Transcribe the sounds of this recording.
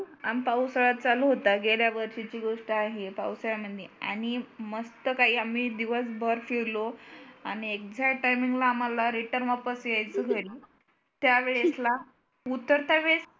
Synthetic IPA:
ampawsəɭat̪̚t͡saluɦot̪aɡeljaʋəɾɕit͡ɕiːɡoʂʈəaɦepawsəɭaməd̪ʱjea̰ɽ̃iməst̪əkaɦiːamiːd̪iʋəsbʱəɾfiɭloaɽ̃iekd͡zaʈajmiŋɡlaːm̤alaɾiʈəɾnʋapəsjajt͡səɡʱeli | t̪jaʋeɭesla | ut̪ːəɾt̪aʋeɭes

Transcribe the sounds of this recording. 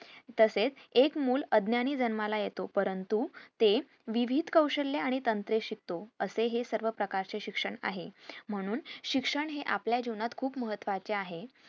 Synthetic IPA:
t̪əset͡sekmuːləd̪njaɽ̃iːd͡zənmalajet̪opəɾənt̪ut̪e | ʋiʋʱid̪kəwɕəlːeaɽ̃it̪ənt̪ɾeɕik̚t̪oəseɦesəɾʋəpɾəkaɾt͡seɕikʂəɳa̰ɦem̤əɽ̃uːnɕikʂəɳɦeʔapljad͡ʑiʋnat̪kʰuːpməɦət̪ːʋat͡ɕeaɦe

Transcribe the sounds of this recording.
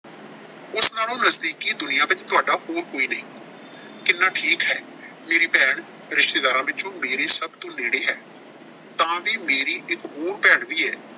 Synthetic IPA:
ʊsnaːlõːnəzd̪iːkiːd̪ʊnɪjãːʋɪt͡ʃt̪ʊaːɖaːɦoːɾkoːiːnəɦĩː | kɪnːaːʈʰiːkɦɛː | meːɾiːpɛːɳ | ɾɪʃt̪eːd̪aːɾãːʋɪt͡ʃõːmeːɾeːsəbt̪õːneːɽeːɦɛː | t̪ãːʋiːmeːɾiːʔɪkɦoːɾpɛːɳd̪iːɛː

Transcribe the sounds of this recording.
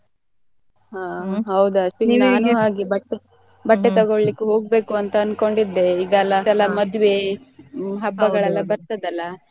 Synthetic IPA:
ɦaːɦɐwd̪ɐsʋinɐɐnuɦaːɡibɐʈːe | bɐʈːet̪ɐɡoɭlikːeɦo̞ːɡ̚be̞ːkuɐnt̪ɐːnko̞ɳɖid̪ːe̞iɡɐlːɐɐlːɐmɐd̪ʋe̞ | ɦɐbːɐɡɐɭɛlːɐbɐɾt̪ɐd̪ɐlːɐ

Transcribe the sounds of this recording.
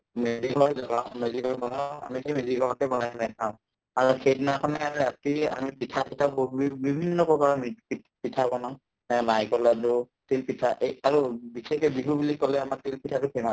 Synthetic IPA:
meziɦɔjzaɡãmeziɔjbɔnaa̰mitʰejmezikɔɔtɛbɔnajnakʰaʊ̃ | aɹuxejdnakʰɔnɛaatia̰mipitʰapitʰabɔibibʱinːɔkɔkaɹɔmipi | pitʰabɔna | ɛmajkɔlatʊ | tilpitʰaʔeaɹubikʰekɔbiɦubulikːɔlɛamaɹtilpitʰatʊkʰɛma

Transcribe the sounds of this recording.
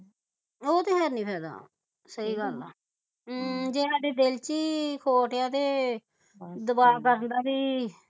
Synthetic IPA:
oːt̪eːɦɛːɾnĩːpʰɛːd̪a̰ː | səiːɡəl̰ː | d͡ʒeːsaːɖeːd̪elt͡ʃiːkʰoːʈjãːt̪eː | d̪əbaːkəɾənd̪aːbiː

